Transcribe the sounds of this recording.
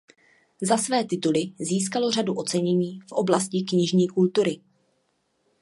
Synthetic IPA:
zasvɛːt̪ɪt̪ulɪziːskalo̞raduʔo̞t͡sɛɲɛɲiːfʔo̞blascɪkɲɪʒɲiːkult̪uɾɪ

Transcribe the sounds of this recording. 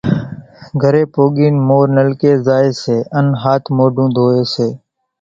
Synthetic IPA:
ɡʱəɾeːpoːɠiːnmoːɾnəlkeːzaːeːseːənɦaːt̪ʰmoːɖũːd̪ʱoːeːseː

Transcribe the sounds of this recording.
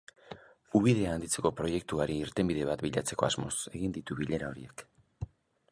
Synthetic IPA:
uβiðe̞aːnd̪it͡se̞ko̞pɾo̞je̞k̚t̪uaɾiːɾt̪e̞mbiðe̞β̞at̪biʎat͡se̞ko̞azmo̞̰se̞ɣind̪it̪uβiʎe̞ɾao̞ɾie̞k

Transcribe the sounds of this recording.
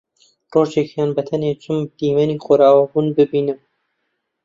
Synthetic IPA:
roːt͡ʃekjɑːnbɐt̪ʰɐneːt͡ʃʰʊmd̪̥iːmɛniːxoɾɑːwabuːnbɨbiːnɨm

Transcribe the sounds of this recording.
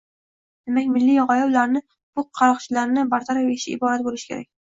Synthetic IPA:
d̪̥e̞makʲmɪlːijɒʁɒjɒwlaɾnɪ | b̥ʊqʰɑlɒqt͡ʃʰɪlaɾnɪbaɾt̪ʰaɾafeʃɪɪ̰bɒɾat̪̚bolɪʃɪ̥kʲe̞̰ɾa̰k̚ʲ

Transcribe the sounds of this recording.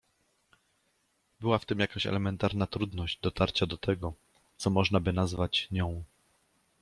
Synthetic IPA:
bɘwaft̪ɘmjakaɕɛ̰lɛmɛnt̪aɾnat̪ɾud̪nɔʑd͡ʑd̪ɔt̪aɾt͡ɕad̪ɔt̪ɛɡɔ | t̪sɔmɔʐnabɘnazvat͡ɕɲɔ̃w̃

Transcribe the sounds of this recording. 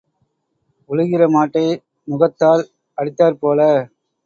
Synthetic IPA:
ʊɭɯɣɪrɐmaːʈːɐɪ | mʊɣɐt̪ːaːl | ɐɽɪt̪ːaːɾpoːlɐ

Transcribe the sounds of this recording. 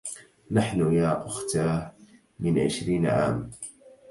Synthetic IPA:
naħnʊjaːʔʊxt̪aː | mɪnʕɪ̰ʃɾiːnʕa̰ːm

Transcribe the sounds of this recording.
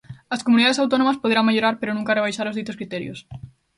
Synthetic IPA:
ɐskomuniðaðesawt̪onomɐspoðeɾaŋmeʎoɾaɾpeɾonũŋkareβ̞ajʃaɾozðit̪oskɾit̪ɛɾjo̰s

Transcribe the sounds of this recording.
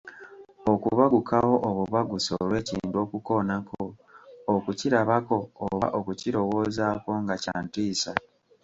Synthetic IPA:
okuβaɡukʰaho̞ʔoβuβaɡuso̰lwe̞ːcḭːntuo̞ːkuko̞nakʰookuciɾaβako̞ːβa̰ʔo̞kuciɾo̞wo̞ːzako̞ŋɡaca̰ːntiːsa

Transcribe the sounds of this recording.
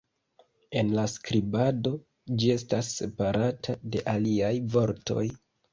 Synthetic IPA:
e̞nlaskɾibado̞ | d͡ʒie̞stasːe̞paɾatʰade̞ʔaliajvo̞ɾto̞̰j

